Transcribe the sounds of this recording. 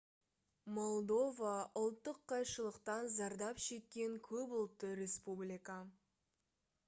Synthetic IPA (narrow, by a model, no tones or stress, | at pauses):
mo̞lˠd̪o̞vaʊlˠt̪ːəqʰːɑjʃəlˠəqt̪ɑnzɑɾd̪ɑpʃe̞kʲːe̞ŋkʲʰɵpʊlˠt̪ːəɾe̞spublʲijka